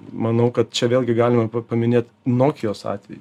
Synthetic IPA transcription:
mɐnɐʊkɐt̪̚t͡ʃʲɛʋʲeːlˠʲɡʲɪɡɑːlʲɪmɐpɐmʲɪnʲeːt̪ | noːkʲɪjoːsɑ̰ːt̪ʲʋʲɛj

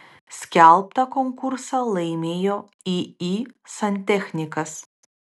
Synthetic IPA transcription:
sʲkʲɛlˠp̚t̪ɐkoŋkʊɾsɐlˠɐɪmʲeːjoː | iiːsɐnʲt̪ʲɛxʲnʲɪkɐs

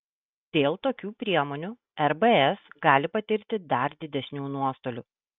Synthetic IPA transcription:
d̪̥ʲeːlˠt̪oːkʲuːpʲɾʲiɛmɔnʲu | ɛɾbəɛsɡɑːlʲɪpɐt̪ʲɪɾʲt̪ʲɪd̪ɐɾd̪ʲɪd̪ʲɛsʲnʲuːnuɔst̪oːlʲʊ

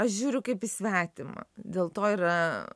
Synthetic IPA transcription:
ɐʃʒʲuːɾʲʊkɐɪpisʲʋʲæːt̪ʲɪmɐ̰d̪ʲeːlˠt̪oːiɾɐ

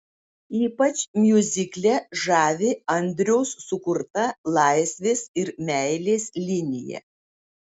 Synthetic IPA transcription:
iːpɐt͡ʃʲmʲjʊzʲɪklʲɛʒɑːʋʲɪɐnʲd̪ʲɾʲɛʊsːʊkʊɾt̪ɐlˠɑˑɪsʲʋʲeːsɪɾmʲɛɪlʲeːsʲlʲɪnʲɪjɛ̰

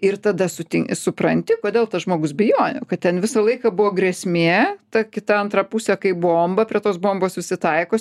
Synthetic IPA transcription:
ɪrt̪ɐd̪ɐsʊt̪ʲɪsʊpɾɐnʲt̪ʲɪkoːd̪ʲeːlˠt̪ɐsʒmoːɡʊsbʲɪjoːnʲʊ̰kɐt̪̚t̪ʲɛnʋʲɪsɐlˠɐɪkɐbʊʋoːɡɾʲɛsʲmʲeːt̪ɐkʲɪt̪ɐɐnt̪ɾɐpusʲɛkɐɪbɔoːmbɐpʲɾʲiɛt̪oːsboːmboːssʲɪsʲɪt̪ɐɪkoː

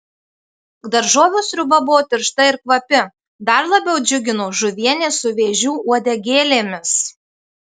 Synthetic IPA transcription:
d̪ɐɾʒoːʋʲuːsɾʲʊbɐbʊʋoːt̪ʲɪɾʃt̪ɐɪɾkʋɐpʲɪ | d̪ɐɾlˠɐbʲɛʊd͡ʒʲʊɡʲɪnoːʒʊʋʲiɛnʲeːsʊʋʲeːʒʲuːʔuɔd̪ʲɛɡʲeːlʲeːmʲɪs

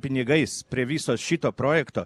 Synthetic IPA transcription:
pʲɪnʲɪɡɐɪspʲɾʲiɛʋʲisoːʃʲɪt̪oːpɾoːjɛkt̪oː

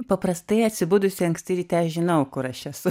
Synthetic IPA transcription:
pɐpɾɐst̪ɐɪɐt̪ʲsʲɪbʊd̪ʊsʲɪɐŋksʲt̪ʲɪɾʲiːt̪ʲɛʃʒʲɪnɐʊkʊɾɐʃɛsʊ

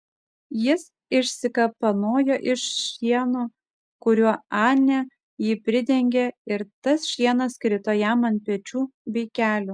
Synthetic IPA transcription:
jɪs | ɪʃʲsʲɪkɐpɐnoːjoʔɪʃʃʲiɛnu | kʊɾʲuɔɑːnʲɛ | jiːpʲɾʲɪd̪ʲɛŋʲɡʲeɪɾt̪ɐsʃʲiɛnɐskɾʲɪt̪oːjɛmɐnʲpʲit͡ʃʲuːbʲɛɪkʲæːlʲuː

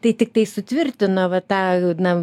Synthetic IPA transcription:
t̪ɐɪt̪ʲɪk̚t̪ɐɪsʊt̪ʲʋʲɪrʲt̪ʲɪnoʋɐt̪ɑːnɐ

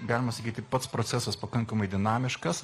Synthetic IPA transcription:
ɡɑːlʲɪmɐsɐkʲiːt̪ʲɪpɐt̪spɾosʲæsɐspɐkɐŋkɐmɐɪd̪ʲɪnɑːmʲɪʃkɐs

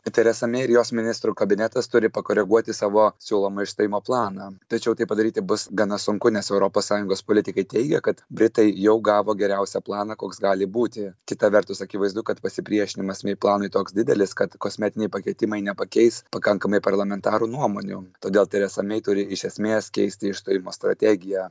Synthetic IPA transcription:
t̪ʲɛɾʲɛsɐmʲɛɪɪɾjoːsmʲɪnʲɪst̪ɾukɐbʲɪnʲæt̪ɐst̪ʊɾʲɪpɐkoːɾʲɛɡuɔt̪ʲɪsɑːʋoːsʲuːlˠoːmɐɪʃst̪ɐjɪmoːplˠɑːnɑːt̪ɐt͡ʃʲɛʊt̪ɐɪpɐd̪ɐɾʲiːt̪ʲɪbʊsɡɐnɐsʊŋkʊnʲɛsɛʊɾopoːssɑːjʊŋɡoːspoːlʲɪtʲɪkɐɪt̪ʲɛɪɡʲɛ̰kɐt̪bʲɾʲɪt̪ɐɪjɛʊɡɑːʋoːɡʲɛɾʲɛʊsʲɛplˠɑːnɑkoːksɡɑːlʲɪbuːt̪ʲɪkʲɪt̪ɐʋʲɛrt̪ʊsɐkʲɪʋɐɪzd̪ʊkɐt̪pɐsʲɪpʲɾʲiɛʃʲɪnʲɪmɐsʲmʲɛɪplˠɑːnoɪt̪oːksdʲɪd̪ʲɛlʲɪskɐt̪kosʲmʲæːt̪ʲɪnʲɛɪpɐkʲɛɪt̪ʲɪmɐɪnʲɛpɐkʲɛɪspɐkɐŋkɐmɐɪpɐrlˠɐmʲɛnt̪ɑːɾunuɔmoːnʲṵt̪oːd̪ʲeːlˠt̪ɐɪɾɛsɐmʲɛɪt̪ʊɾʲɪɪʃʲɛsʲmʲeːskʲɛ̰ɪsʲt̪ʲɪɪʃst̪oːjɪmoːst̪ɾɐ̰t̪ʲæːɡʲɪjɛ

